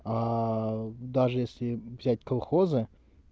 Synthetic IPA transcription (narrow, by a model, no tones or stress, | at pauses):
a | d̪aʐɨjesʲlʲɪvzʲæt̚ʲkɐlˠxozɨ